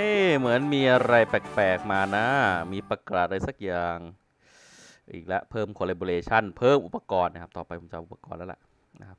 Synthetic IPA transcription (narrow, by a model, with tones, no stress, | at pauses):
a˥˩mɯ˩˦ənmiː˧ʔa˧ɾa˧jpɛː˨˩k̚pɛː˨˩k̚maː˧na˦˥miː˧pa˧˩kɾa˨˩ɾa˧jsa˨˩k̚jaː˨˩ŋ | ʔiː˨˩k̚lɛ˦˥ʔpʰɤː˥˩mkʰoː˧le˧bo˧leː˧t͡ɕʰa˥˩npʰɤː˥˩mʔu˨˩pːa˧kɔː˧nːa˧˥˩kʰa˦˥p̚t̪ɔː˨˩pa˧jpʰo˨˦mt͡ɕa˧˩ʔu˨˩pa˧kɔː˧nlɛ˦˥wlɛ̰˨˩ʔ | na˦˥kʰp̚